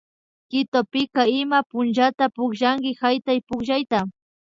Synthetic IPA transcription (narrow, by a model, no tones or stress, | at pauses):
kɪt̪opɪkaɪmapʊnt͡ʃat̪apʊkʒaŋkɪhajt̪ajpʊkʒajt̪a